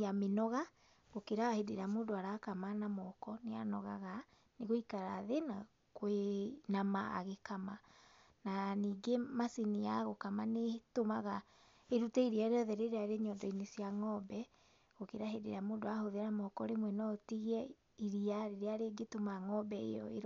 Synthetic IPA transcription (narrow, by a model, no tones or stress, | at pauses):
amenɔɣa | ɣokeɾahedeɾamoːndoaɾakamanamɔkɔnea̰nɔɣaɣa | neɣoikaɾaðena | kwenamaa̰ɣekama | naniːɡemasiniaɣokamanetomaɣa | eɾutɛiɾiaɾeɔðɛɾeɾeaɾeɲɔdɔinesiaŋɔbɛ | ɣokeɾaɦedḛɾamoːndoahoðeɾamɔkɔɾemwɛnɔotiɣɛ | iɾiaɾeɾeaɾeɡetomaŋɔbɛḛjɔ̰ḛɾ